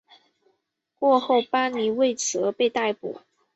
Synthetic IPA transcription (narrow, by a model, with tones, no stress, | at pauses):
kwɔ˥˧xo˥˩ʊpa˥ni˧˥we˥˩ɪt͡sɤ˧˥pe˥˧ɪt̪a˥˩ɪpṵ˨˩˦